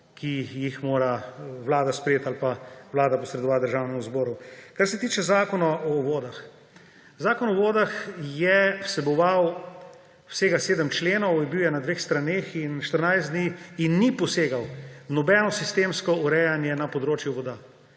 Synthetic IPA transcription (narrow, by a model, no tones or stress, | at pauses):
kʰijixmoːɾaʋlaːd̪aspɾjeːt̪alpawlaːd̪apɔsɾɛd̪ɔʋat̪̚d̪əɾʒaːwnɛmuzbɔːɾukaɾsɛt̪iːt͡ʃɛzaːkɔnɔʔɔʋoːd̪ax | zaːkɔnɔʋoːd̪axjɛwsɛbɔʋaw | wseːɡaseːd̪əmt͡ʃleːnɔwjɛbiwjɛnad̪ʋeːxst̪ɾaneːxinʃt̪əɾnajzd̪niinːipɔseːɡawnɔbɛnɔsist̪eːmskɔuɾɛjanjɛnapɔd̪ɾoːt͡ʃjuʋɔd̪a